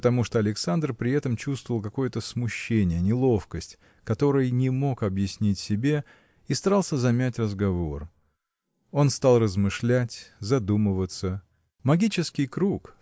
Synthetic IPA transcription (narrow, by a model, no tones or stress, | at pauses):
ət̪ɐmuʂt̪oɐlʲɪksand̪rpɾʲɪɛt̪əmt͡ɕust̪vəvəlˠkɐko̞jət̪əsmʊɕːenʲɪjənʲɪlˠo̞fkəsʲtʲ | kɐt̪o̞ɾɨjnʲɪmo̞kɐbjɪsʲnʲitʲsʲɪbʲe̞ | ist̪ɐɾɑlˠsʲəzɐmʲætʲrəzɡɐvo̞r | o̞nst̪ɑlˠrəzmɨʂlʲætʲzɐd̪uməvət̪sə | mɐɡʲit͡ɕɪskʲɪjkɾuk